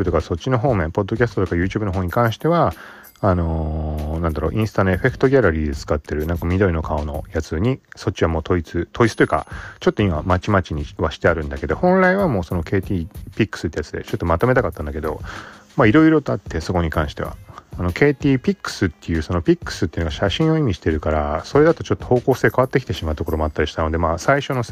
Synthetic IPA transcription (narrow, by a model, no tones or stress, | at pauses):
t̪o̞kaso̞t̚ʲːino̞ɦo̞ːmẽpo̞d̪ːo̞k̬ʲasɨ̥t̪ot̪okajɯ̟ːt͡ɕɨːbɯ̟noɦo̞ːɲ̟ikãɰ̃ɕi̥t̪e̞βaː | no̞nãnd̪aɾo̞̰ːʔĩsɨ̥t̪anoe̞ɸe̞kɯ̥t̪o̞ɡʲaɾaɾʲiːd̪et͡sɨ̥kat̪ːe̞ɾɯ̟nãŋkamʲid̪o̞ɾino̞kʰao̞no̞̰jat͡sɨɲ̟iso̞t͡ɕːiβamoːt̪o̞it͡sɨt̪ʰo̞it͡sɨ̥t̪ojɯ̟ka̰t͡ɕo̞t̪ːo̞imamat͡ɕimat͡ɕiɲ̟iβaɕi̥t̪e̞aɾɯ̟̃nd̪ake̞d̪o̞hõ̞nɾaiβamo̞ːso̞no̞ke̞ːt̪ʲiːpʲikːɯ̥sɨt̪ːejat͡sɨd̪e̞̰t͡ɕo̞t̪ːo̞mat̪o̞me̞t̪akat̪ːãnd̪ake̞d̪o̞maiɾo̞iɾo̞t̪oat̪ːe̞so̞ko̞ɲ̟ikãɰ̃ɕi̥t̪e̞βa̰ːno̞kʰe̞ːt̪ʲiːpʲikːɯ̥sɨt̪ːe̞jɯ̟ːso̞no̞pʲikːɯ̥sɨt̪ːeinoɡaɕaɕĩɰ̃o̞imʲiɕi̥t̪e̞ɾɯ̟kaɾaso̞ɾe̞d̪at̪o̞t͡ɕo̞t̪ːoho̞ːko̞ːse̞ːkaβat̪ːekʲi̥t̪eɕimaɯ̟t̪o̞ko̞ɾo̞mo̞at̪ːaɾiɕi̥t̪ano̞d̪e̞maːsaiɕo̞no̞